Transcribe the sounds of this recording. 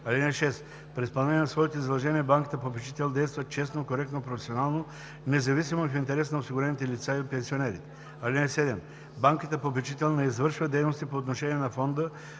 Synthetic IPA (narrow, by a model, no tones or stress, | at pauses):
ɐlinɛʃɛst̪ | pɾʲispɐlˠnɛnʲiɛnsvɔit̪oizɐd̪lˠɐʒɛniɛbaŋki̥t̪əpopɛt͡ʃi̥t̪ɛlˠd̪ɛjst̪vɐt̪̚t͡ʃɛst̪nokoɾɛk̚t̪nopɾofɛsionalˠno | nɛzɐvis̬imofint̪ɛɾɛsnɐosiɡuɾɛnit̪ɛlit̪saipɛnsionɛɾit̪ɛ̥ | ɐlʲinɛsɛd̪ɛm | baŋkit̪əpopɛt͡ʃit̪ɛlˠnɛizvɤɾʃvəd̪ɛjnost̪ipoːt̪noʃɛniɛnɐfɔnd̪ə